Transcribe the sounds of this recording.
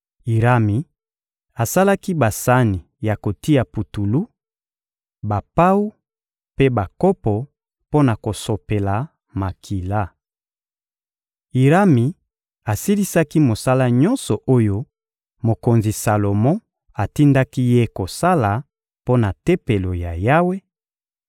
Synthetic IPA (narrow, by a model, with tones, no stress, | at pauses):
i˨ʁa˦mi˨ | a˨sa˦la˦ki˦ba˨sa˦ni˨ | ja˨ko˨ti˦ja˨pu˨tu˨lu˦ | ba˨pa˦u˦ | pe˦ba˨kɔ˦pɔ˨ | po˦na˨ko˨so˨pe˨la˨ | ma˨kʰi˨la˦˨ | i˨ʁa˦mi˨ | a˨si˦li˦sa˦ki˦mo˨sa˦la˦ɲɔ˦nsɔ˨ʔo˦jo˦ | mo˨ko˨nzi˨sa˨lo˨mɔ̃˦ | a˨ti˦nda˦ki˦je˦ko˨sa˦la˨ | po˦na˨te˦pe˨lo˨ja˨ja˦we˦